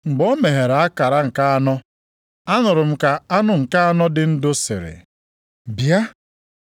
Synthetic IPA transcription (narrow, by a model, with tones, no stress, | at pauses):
ŋ͡m̩˨ɡ͡bɔ˦me˨ɦe˨ɾa˦ka˨ɾa˦ŋ̩˨ka˦a˦nɔ˦ | a˦nʊ˨ɾʊ˨m̩˦ka˨a˦nʊ˦ŋ̩˨ka˦a˦nɔ˦dɪ˨n̩˦dʊ˦sɪ̰˨ɾɪ̰˨ | bja˦